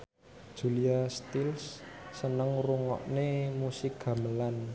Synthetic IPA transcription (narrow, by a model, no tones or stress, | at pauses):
d̥ʒ̥uliast̪ilsːənəŋruŋɔ̰ʔnemusɪk̚ɡ̥a̤məlan